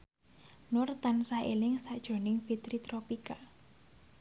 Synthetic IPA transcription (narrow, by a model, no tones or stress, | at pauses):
nʊrt̪ansaʔelɪŋsaʔd̥ʒ̥o̤nɪŋfit̪ɾit̪ɾopika